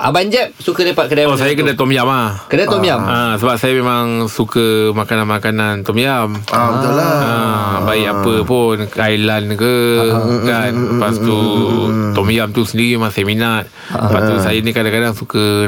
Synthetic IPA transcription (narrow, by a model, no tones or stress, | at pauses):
ʔabaɲd͡ʒɛp̚sukədapakədajɔsajakədat̪ɔmjamahkədat̪ɔmjamʔasəbap̚sajamemaŋsukəmakananmakanant̪ɔmjamət̪ulaabaiʔapəpunajlankəkanləpast̪u | t̪ɔmjamt̪usəndiɾimemaŋsajaminat̪̚ | əpast̪usajanikadaŋkadaŋsukə